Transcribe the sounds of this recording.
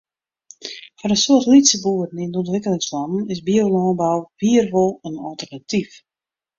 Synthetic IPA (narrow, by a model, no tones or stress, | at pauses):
fɔɾənsoətlitsəbuəɾən̩indɔntʋɪkəlɪŋslɔnn̩ɪsbiolɔːbawviːərʋɔlˠənɔlˠtərnatif